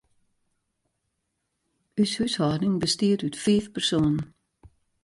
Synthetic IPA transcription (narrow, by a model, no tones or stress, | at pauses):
yshʉːshɔdnɪŋbəstiːdʉtfiːfpʰɛsoːnn̩